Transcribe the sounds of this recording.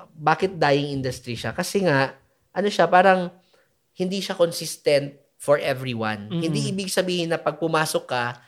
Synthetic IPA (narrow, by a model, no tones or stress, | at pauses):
baːkɪt̪̚d̪aːjɪŋʔind̪ʊst̪ɾiʃa̰kɐsɛŋaʔ | ʔɐno̞ʃapaːɾɐŋ | hɪnd̪iːʃakonsist̪ɛnt̪̚ | fɔɹʔɛvɹiwɐ̰̃nhɪnd̪iʔiːbɪɡsɐbiːhɪnːɐpɐɡ̚pʊmaːsokːɐ